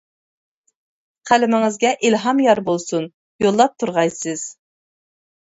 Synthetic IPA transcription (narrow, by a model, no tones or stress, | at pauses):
qʰælɪmɪŋɪzɡʲɛʔilɦɑmjɑɾbolˠsun | jolˠːɑp̚t̪ʰuɾʁɑjsɨz̥